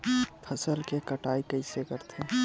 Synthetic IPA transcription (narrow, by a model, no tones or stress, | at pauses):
pʰəsəlkekəʈaːikəɪsekəɾt̪ʰe